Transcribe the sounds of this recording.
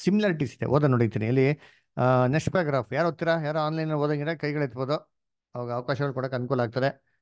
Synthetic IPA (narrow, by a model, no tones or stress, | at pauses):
similaːɾiʈ̬iːsid̪ḛʔoːd̪ɐnoɽijt̪iːniɐlːi | nesʈpɐɾaɡɾaːfjaːɾɦot̪ːiɾajaːɾoaːnlɐjnɐloːd̪ɐniɾekɐjɡɐɭet̪boːd̪u | ɐʋaːɡɐːʋɐkaːʃɐɡɐɭukuːɽɐkɐnd̪kolːaːɡ̚t̪ɐd̪e